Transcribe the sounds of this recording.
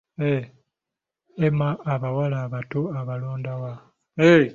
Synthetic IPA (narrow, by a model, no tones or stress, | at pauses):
e | emaːβawalaːβatoaβaloːndawa | e